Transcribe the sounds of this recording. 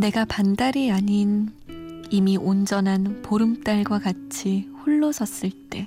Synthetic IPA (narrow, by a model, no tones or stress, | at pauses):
ne̞ɡapandaɾiaɲin | imiʔond͡ʑʌnɦanpoɾɯmt͈aɭɡwakat͡ɕʰiɸuɭːosʰʌs͈ɯɭt͈e̞